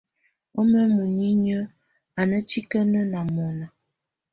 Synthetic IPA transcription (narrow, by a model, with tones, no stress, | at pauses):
o˦mə˦mo˨ɲi˦ɲə˦ | a˨nə˦ti˦kə˦nə˦na˨mɔ˨nə˨